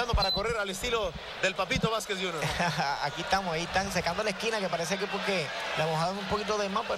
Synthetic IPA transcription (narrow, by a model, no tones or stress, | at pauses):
and̪opaɾako̞reɾalest̪ilo | ðe̞lpapit̪oβaskesjunoa̰kiet̪amosaieht̪aŋs̬ekand̪o̞laeskinake̞paɾes̬ek̬epwokelamoɦaðoŋumpo̞kit̪̬o̞ðemãmpe